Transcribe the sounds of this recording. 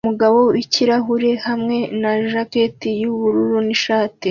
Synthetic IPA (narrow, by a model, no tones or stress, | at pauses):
muɡaβo̞wiciɾaɦuɾe̞hamŋe̞naʒaketijuβuɾuɾuniʃaːti